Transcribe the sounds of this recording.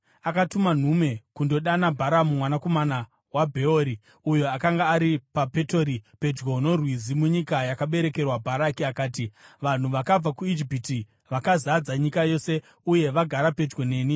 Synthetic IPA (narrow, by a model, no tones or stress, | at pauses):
akatuman̤ume̞kundo̞ɗanabʱaɾamumwanako̞mana | wabʱe̞oɾi | ujo̞akaŋɡaːɾipape̞to̞ɾipe̞d͡ʒɡo̞no̞rwizimuɲikajakaɓe̞ɾe̞ke̞rwabʱaɾakiakaːtiʋan̤uʋakab͡vakuid͡ʒipiti | ʋakazad͡zaɲikajo̞se̞ | uje̞ʋaɡʱaɾape̞d͡ʒɡo̞ne̞ːni